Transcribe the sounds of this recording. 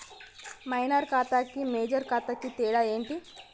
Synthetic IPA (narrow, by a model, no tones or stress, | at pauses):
majnəɾkat̪akːimeːd͡ʑəɾkat̪akːit̪eɽaeːɳʈi